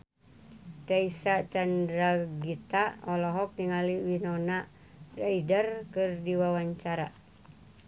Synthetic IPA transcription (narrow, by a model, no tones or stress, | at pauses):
daisat͡ʃandɾaɡit̪aɔlɔɦɔk̚niŋaliwinɔna | raidərkɨrdiwawaɲt͡ʃaɾa